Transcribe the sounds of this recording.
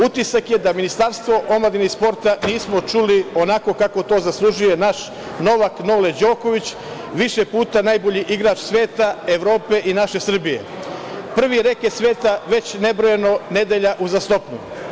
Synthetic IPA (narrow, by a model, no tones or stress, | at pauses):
ut̪isakje̞d̪aminist̪aɾst̪ʋo̞ʔo̞mlad̪inispo̞ɾt̪aniːsmo̞t͡ʃulio̞nako̞kako̞t̪o̞ːzaslˠuʒuje̞naʃ | no̞ʋakno̞led͡ʑo̞ːko̞ʋit͡ɕ | ʋiʃepuːt̪anaːjbo̞ʎiʔiɡɾaːt͡ʃsʋe̞ːt̪aeʋɾo̞ːpe̞ʔinaʃe̞sr̩bije̞̰ | pr̩ʋiɾe̞kjesʋe̞ːt̪aʋe̞t͡ɕne̞bɾo̞jeno̞ne̞d̪eʎaʔuzast̪o̞pɲu